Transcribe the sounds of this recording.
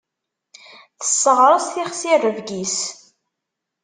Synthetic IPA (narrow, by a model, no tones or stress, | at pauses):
θə̥sːəʁɾˤəsθiχsirəvɡis